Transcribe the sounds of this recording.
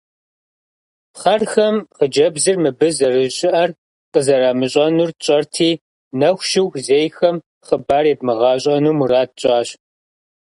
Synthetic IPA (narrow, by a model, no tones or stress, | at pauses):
χɐrxɐmqəd͡ʒɐbzɨrmɨbɨzɐrɨɕɪʔɐr | qəzɐraːmɨɕʼɐnuːrt͡ʃʼɐrtʰiː | nɐxʷʃɪwxzeːjxɐm | χəbaːreb̚mɨʁɑːɕʼɐnuːmuraːt̚ɕʼaːɕ